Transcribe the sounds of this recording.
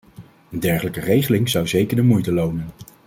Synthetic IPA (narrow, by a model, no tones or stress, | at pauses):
əndɛɹχələkərejχəlɪŋzʌwzejkəɹdəmujtəlownən